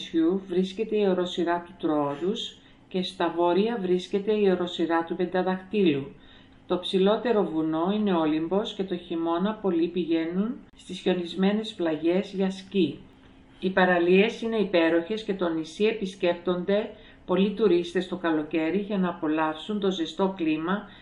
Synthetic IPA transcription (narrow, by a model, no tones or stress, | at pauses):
suvɾisce̞t̪e̞io̞ɾo̞siɾɐt̪ut̪ɾooðus | ce̞st̪ɐvo̞ɾiɐvɾisce̞t̪e̞io̞ɾo̞siɾɐt̪upe̞nd̪ɐðɐxt̪ilu | t̪o̞ipsilo̞t̪e̞ɾo̞vuno̞ine̞o̞limbo̞sce̞t̪o̞çimo̞nɐpo̞lipiʝe̞nunst̪isço̞nizme̞ne̞splɐʝe̞zʝɐsci | ipɐɾɐlie̞sine̞ipe̞ɾo̞çe̞sce̞t̪o̞nisie̞pisce̞pt̪o̞nd̪e̞ | po̞lit̪uɾist̪e̞st̪o̞kɐlo̞ce̞ɾiʝɐnɐːpo̞lɐfsunt̪o̞zest̪o̞klimɐ